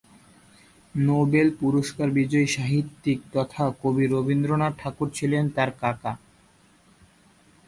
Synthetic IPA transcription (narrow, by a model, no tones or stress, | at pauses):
nobelpuɾoʃkaɾbid͡ʑɔiʃaɦit̪ːik̚t̪ɔt̪ʰakobiɾobind̪ɾonaʈʰakuɾt͡ɕʰilent̪aɾkaka